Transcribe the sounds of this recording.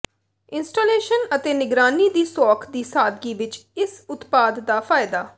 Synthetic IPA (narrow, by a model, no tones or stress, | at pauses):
ɪnsʈoːleːʃənət̪eːnɪɡɾaːniːd̪iːsɔːkʰd̪iːsaːd̪ɡiːʋɪt͡ʃɪsʊt̪paːd̪ːaːpʰaːɪd̪aː